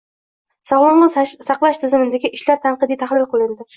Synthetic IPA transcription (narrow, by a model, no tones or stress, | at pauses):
sɒʁlˠɒnnɨsɑqlˠaʃt̪ʰɪzɪmɪnd̪aɡʲɪʔɪʃlaɾt̪ʰanqɨd̪ɪt̪ʰahlˠɪlˠqʰɨlˠɪnd̪ɪ